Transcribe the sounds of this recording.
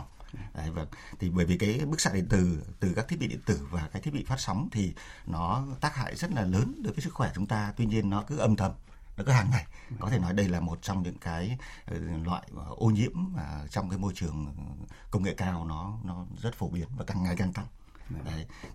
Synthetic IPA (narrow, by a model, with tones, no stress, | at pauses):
ʔa˨˧˩jvə˧˩ŋt̪ʰi˨˩ɓəː˧˩jvi˨˩kaː˨˦jɓɨ˦˥k̚sa̰ː˧˥ɗḭ˧˨nt̪ɨ˨˧˩t̪ɨ˨˩ka˦˥k̚t̪ʰi˦˥ɓi˧ɗḭ˧˨nt̪ɨ˧˩vaː˨˩kaː˨˦kt̪i˦˥ɓi˧˨fa˦˥t̚sɔ˨˦wŋ͡mt̪ʰi˨˩nɔ˨˦t̪aː˦˥k̚ha̰ː˧˨jzə˦˥t̚laː˨˩ləː˨˦nɗɨ˨˦jvəː˨˦s̬ɨ˦˥kxwɛ˧˩˨t͡ɕʊ˨˦ŋ͡mt̪aː˧t̪wi˧ɲi˧ənːɔ˨˦kɨ˨˦ʔə˧mt̪ʰə˧˩m | nɔ˨˦kɨ˨˦haː˨˩ŋːa˨˩j | kɔ˨˦t̪ʰe˧˩nɔ˨˦jɗə˧jlaː˨˩mo˨˩t̚t͡ɕɔ˧wŋ͡mɲɨ̰˧˥ŋkaː˨˦j | lwa̰ː˧˨jʔo˧ɲḭ˧˥əmːaː˨˩t͡ɕɔ˧wŋ͡mkaː˨˦jmo˧jt͡ɕɨ˨˩əŋ | kə˧wŋ͡mŋḛ˧˨kaː˧wnɔ˨˦nɔ˨˦zə˦˥t̚fo˧˩ɓi˨˦ənvaː˨˩ka˨˩ŋːa˨˩jka˧ŋt̪a˧ŋ | zə˨˧˩j